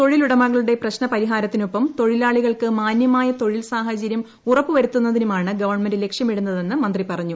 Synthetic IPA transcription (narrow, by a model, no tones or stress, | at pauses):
t̪o̞ɻiluɽɐmɐɣɐɭuɽe̞prɐɕnɐpɐɾiɦaːɾɐt̪ːinupːɐmt̪o̞ɻilaːɭiɣɐɭkɨmaːnjɐmaːjɐt̪o̞ɻilsaːɦɐt͡ɕɐɾjɐm | urɐpːɨʋɐɾut̪ːunːɐðinumaːɳɨɡɐʋɐrɳmendile̞kʂjɐmiɽunːɐðe̞nːɨmɐnd̪ripɐrɐɲːu